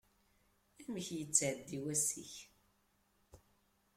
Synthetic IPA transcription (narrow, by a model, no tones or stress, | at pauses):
æməçjət͡sːʕəd̪ːiwæsḭç